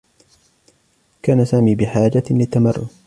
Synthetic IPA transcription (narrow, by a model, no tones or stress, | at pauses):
kaːnasaːmiːbɪħaːd͡ʒalɪt̪ːamɑrˤːʊ̰